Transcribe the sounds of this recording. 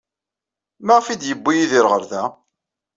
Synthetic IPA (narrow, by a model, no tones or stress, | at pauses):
mæʁfid̪jəbːijiðiɾʁəɾðæ